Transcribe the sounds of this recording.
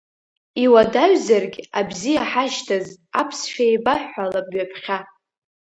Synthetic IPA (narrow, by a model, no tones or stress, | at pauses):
iwadaɥzarɡʲabzijaħaʃtʰazapʰsʃᶣajbaħalabɥapʰχʲa